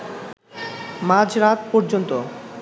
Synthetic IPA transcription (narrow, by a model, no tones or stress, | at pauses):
mãd͡ʑɾat̪pɔɾd͡ʑont̪o